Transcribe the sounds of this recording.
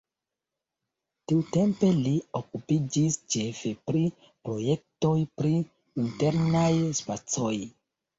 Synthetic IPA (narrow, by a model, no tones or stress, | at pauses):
tiute̞mpe̞liokupid͡ʒist͡ʃe̞fepɾi | pɾo̞je̞k̚to̞jpɾi | inte̞ɾnajspat͡soj